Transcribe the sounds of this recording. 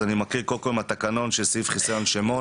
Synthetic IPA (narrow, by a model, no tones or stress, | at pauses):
animakiʁkolkoimat̪akano̞nʃesifχisajonʃemo